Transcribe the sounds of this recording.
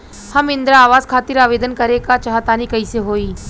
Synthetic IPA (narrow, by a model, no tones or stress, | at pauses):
hɐmɪ̃nd̪ɾaaːʋaːzkʰaːt̪ɪɾaːʋeːd̪ənkɐɾekat͡ʃaɦat̪aːnikɐiseɦoːiː